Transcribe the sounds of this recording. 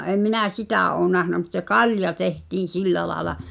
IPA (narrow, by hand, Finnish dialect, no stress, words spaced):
ʔeˑm̆ minæˑ sitæˑ ʔoː næhnæ mut se kɑljɑ tehtiːn̞ silːæ lɑːĕlɑ